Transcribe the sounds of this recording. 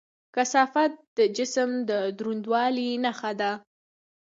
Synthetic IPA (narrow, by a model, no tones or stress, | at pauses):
kasɑfat̪̚d̪̥əd͡ʒɪsəmd̪əd̪ɾund̪wɑlinaxad̪a